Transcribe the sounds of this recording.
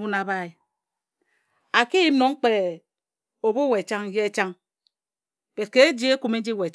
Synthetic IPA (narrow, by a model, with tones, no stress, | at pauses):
u˦na˨ba˦i˨ | a˨ki˦ji˦m˦no˨˦ŋ̩˦k͡pe˨ | o˨bu˦we˨t͡ʃa˦ŋ˦je˦e˦t͡ʃa˦ŋ | b̥e˨t̚ke˦e˦d͡ʒi˦e˦ku˨me˦n˦d͡ʒi˦we˨